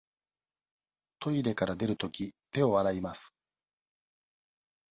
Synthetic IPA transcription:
t̪ʰo̞id̪e̞kaɾad̪e̞ɾɯ̟t̪o̞kʲit̪e̞o̞βaɾaimasɨ̥

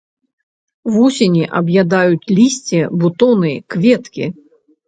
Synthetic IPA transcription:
vusʲenʲiʔɐbjad̪ajut͡sʲlʲisʲt͡sʲɛbut̪ɔnɨkvʲɛt̪kʲḭ

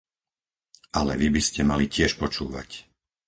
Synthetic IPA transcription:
ʔalɛ̰ʋibiscɛmalicɪɛʃpɔt͡ʃuːʋa̰c

